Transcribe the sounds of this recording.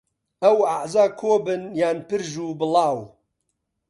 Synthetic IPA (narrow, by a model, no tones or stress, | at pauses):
ɐwaʕzaːkʰoːbɨnjaːnpɨɾʒuːbɨlˠɑːw